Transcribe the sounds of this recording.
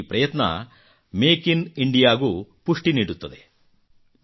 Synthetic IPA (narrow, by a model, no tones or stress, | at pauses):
pɾɐjɐt̪nɐ̰ | meːkiniɳɖijaːɡupuʂʈiniːɽut̪ːɐd̪e